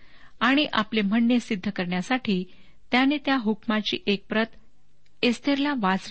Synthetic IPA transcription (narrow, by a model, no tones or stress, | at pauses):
aɽ̃iʔa̰plem̤əɳːjesid̪ʱːəkəɾɳjasaʈʰiː | t̪janet̪jaɦukmat͡ɕḭːʔek̚pɾət̪ | est̪ʰeɾlaʋat͡s